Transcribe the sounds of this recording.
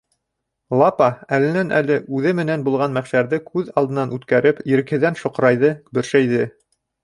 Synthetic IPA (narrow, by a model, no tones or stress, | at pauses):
lˠɑpɑælɘ̆nænʔæ̰lɘʔʉðɘmɘ̆nænbulˠʁɑnmæχʃæɾðɘkʉðɑlˠd̪ɤ̆nɑnʉt̪kæɾɘpjɘ̆ɾɘ̆khɘ̆ðænʃŏqɾɑjðɤbɵ̆ɾʃæjðɘ